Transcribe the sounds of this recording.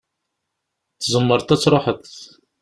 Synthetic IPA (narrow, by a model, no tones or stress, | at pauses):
θzəmːəɾˤt̪æt͡sːɾˤoħəθ